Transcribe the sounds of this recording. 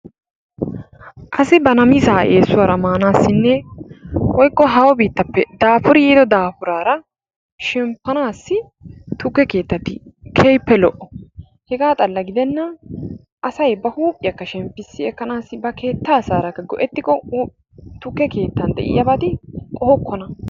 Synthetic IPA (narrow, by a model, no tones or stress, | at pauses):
ʔɐsɪbɐnɐmɪsaːʔeːsːʊwɐɾɐmaːnaːsːɪnːɛ | wɔjkʼːɔɦɐwɔbiːt̪ːɐpːɛd̪aːfʊɾɪjiːd̪ɔd̪aːfʊɾaːɾɐ | ʃɛmpːɐnaːsːɪ | t̪ʊkːɛke̞ːt̪ːɐt̪ɪkʰɛjpːɛlɔʔːɔ | hɛɡaːt̪ʼɐlːɐɡɪd̪ɛnːɐ | ʔɐsɐjbɐhuːpʼːɪjɐkːɐʃɛmpːɪsːɪɛkːɐnaːsɪbɐke̞ːt̪ːaːsaːɾɐkːɐɡɔʔɛt̪ːɪkʼɔ | t̪ʊkːɛke̞ːt̪ːɐnd̪ɛ̰ʔɪ̰jɐbɐd̪ɪkʼɔhɔkːɔnɐ